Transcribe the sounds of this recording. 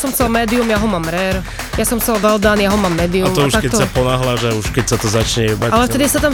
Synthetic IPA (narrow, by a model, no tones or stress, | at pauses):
sɔmsalmɛːd̪iumjaɦɔmamɾɛɾ | jasɔmsalʋɛld̪aːnjaɦɔmamːɛːd̪iumɔauʃakɛɔsapɔnaɦlaːʒauʃkɛcsat̪ɔzat͡ʃɲɛbaalɛft̪ɛd̪isat̪am